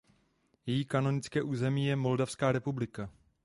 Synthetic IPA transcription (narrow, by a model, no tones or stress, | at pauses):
jɛjiːkano̞nɪt͡skɛːʔuːzɛmiːjɛmo̞ldafskaːɾɛpublɪka